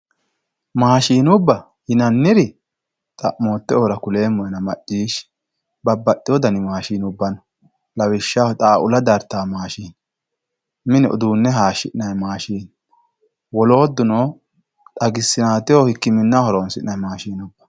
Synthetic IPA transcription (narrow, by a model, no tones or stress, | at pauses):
maːʃiːnʊbːɐ | hɪnɐnːɪɾɪ | t̪ʼɐ̰ʔmoːt̪ːɛoɾɐkʊle̞ːmʊʔɛnɐmɐ̰t͡ʃːiːʃ | bɐbːɐɗɪjɔd̪ɐnɪmaːʃiːnʊbːɐn | lɐwɪʃːat̪ʼaːʔʊlɐd̪ɐɾt̪ːaːmaːʃiːn | mɪnɛʔɔ̰d̪uːnːɛɦaːʃɪʔnɐjmaːʃiːn | wɔlo̞ːd̪ːʊnoː | t̪ʼɐɡɪsːɪnaːt̪ɪjoːhɪkːɪmɪnːɐhɔɾonsɪʔnɐjmaːʃiːnʊbːɐ̥